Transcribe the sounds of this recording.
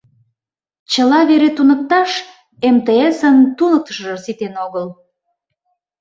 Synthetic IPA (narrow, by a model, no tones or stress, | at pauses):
t͡ɕəlɑβeɾet̪unə̆k̚t̪ɑʃ | emt̪eesənt̪unək̚t̪ə̥ʃʒərsit̪enoɣəl